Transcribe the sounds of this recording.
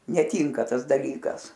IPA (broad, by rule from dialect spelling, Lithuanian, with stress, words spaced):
nʲɛˈtʲiːŋkɐ ˈtɐs dɐˈlʲiːkɐs